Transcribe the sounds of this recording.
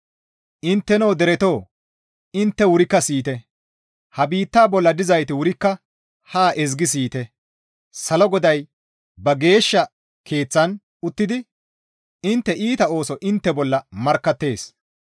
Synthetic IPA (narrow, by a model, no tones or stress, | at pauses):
ʔɪnt̪ːɛnɐwd̪ɛɾɛt̪o̞ː | ɪnt̪ːɛwʊɾɪkːɐsiːt̪ɛ | hɐbiːt̪ːaːbɔlːɐd̪ɪzɐjt̪ɪwʊɾɪkːɐ | haːʔɛzɡɪs̬iːt̪ɛ | sɐlɔɡɔd̪ɐj | bɐɡe̞ːʃːɐ | kʰe̞ːt͡sːɐn | ʊt̪ːɪd̪ɪ | ɪnt̪ːɛʔiːt̪ɐo̞ːsɔʔɪnt̪ːɛbɔlːɐmɐɾkːɐt̪ːe̞ːs